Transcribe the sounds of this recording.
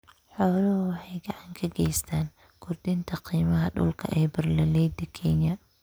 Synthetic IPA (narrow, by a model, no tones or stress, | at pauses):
ħɔːlɐhʊwɑħɑjɡɑʕɑŋkʰɐɡɛjst̪ʰaːn | kʰʊrd̪ɪnt̪ʰɐqiːmɐɦɐɖʊ̰lkʰɐ̰ʔɛjbɐrlɐlɛjd̪ɪkʰɛnjɐ